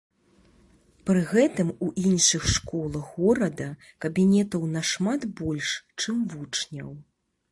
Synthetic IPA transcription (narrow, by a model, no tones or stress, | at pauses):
pɾɨɣɛt̪ɨmuʔinʂɨxʂkɔlˠɐɣɣɔɾɐd̪ɐ | kɐbʲinʲɛt̪ɐwnɐʂmat̪bɔlʲʂt͡ʂɨmvut͡ʂnʲɐ̰w